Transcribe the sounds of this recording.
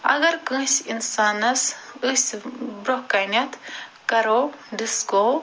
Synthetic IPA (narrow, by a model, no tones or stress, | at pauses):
ɐ̰ɡɐɾkɨ̃ːsʲinsaːnɐsɨsbɾohkːɐjnʲɐt̪ʰ | kɐɾoɖisko